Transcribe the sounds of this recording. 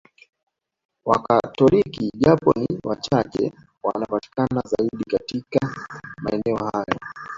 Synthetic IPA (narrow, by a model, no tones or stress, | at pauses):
wakatɔlikiʄapɔniwat͡ʃat͡ʃɛ̰ | wanapati̥kanazaiɗikatikamaɛnɛɔhajɔ